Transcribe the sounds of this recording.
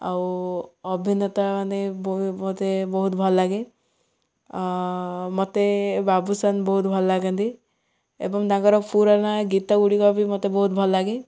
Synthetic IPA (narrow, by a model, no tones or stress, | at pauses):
a̰wɔbʱinɔt̪amanebmot̪ebɔɦut̪bʱɔlːaɡe | mɔt̪ebabusanbɔɦut̪̚bʱɔllaɡand̪i | ḛbɔŋd̪ãŋɡɔɾɔkpʰuɾanaɡit̪aɡuɽikɔbʱimɔt̪ebɔɦut̪̚bʱɔlːaɡe